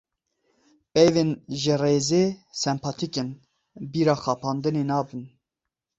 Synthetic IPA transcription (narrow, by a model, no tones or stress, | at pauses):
bɛjvenʒɪreːzeːsɛmpʰɑt̪ʰiken | biːɾɑːxɑːpʰɑːnd̪ɨneːnɑːbɨn